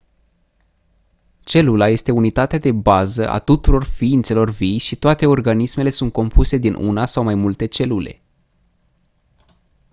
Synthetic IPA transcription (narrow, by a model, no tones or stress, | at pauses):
t͡ʃe̞lulaje̞st̪e̞unit̪at̪ead̪e̞bazəʔa̰t̪ut̪uɾo̞rfiint̪se̞lo̞rvijʃit̪oat̪e̞o̞rɡanisme̞le̞sunt̪̚ko̞mpuse̞d̪inʔṵnasawmajmult̪e̞t͡ʃe̞lule̞̰